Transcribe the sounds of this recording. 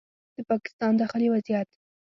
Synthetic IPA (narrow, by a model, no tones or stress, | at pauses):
d̪̥əpɑkɪ̥st̪ɑnd̪axəliwazijat̪